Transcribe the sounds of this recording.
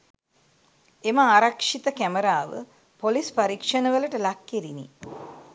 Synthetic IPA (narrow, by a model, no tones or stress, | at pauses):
eməaːɾakʂit̪əkæməɾaːʋə̰ | polispaɾikʂənəʋələʈəlakːeɾinḭ